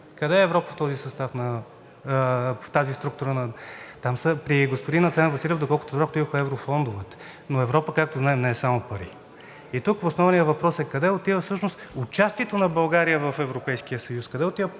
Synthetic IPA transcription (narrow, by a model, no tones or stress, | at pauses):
kɐd̪ɛːvɾɔpəft̪ɔzisɐst̪afnɐ | ft̪azist̪ɾuk̚t̪uɾənɐt̪amsəpɾiɡospod̪inɐt̪sɛnvɐsilʲɛvd̪okɔlˠkʊt̪ɛvɾɔkʊt̪ivəxəɛvɾofɔnd̪ʊvət̪ | noɛvɾɔpəkak̚t̪oznaɛmnɛːsamopəɾi | it̪ukvosnɔvnijəvɐpɾɔsɛkɐd̪ɛot̪ivəfsɤʃnost̪ʊt͡ʃast̪iɛt̪onɐbɐlˠɡaɾijəvɐfɛvɾopɛjsk̟ijəsɐjuskɐd̪ɛot̪ivə